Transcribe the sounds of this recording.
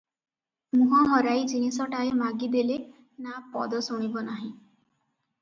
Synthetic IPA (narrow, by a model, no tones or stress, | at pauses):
mũɦɔɦɔɾajd͡ʒinisɔʈaemaɡid̪ele | napɔ̰d̪ɔsuɽ̃ibɔnaɦĩ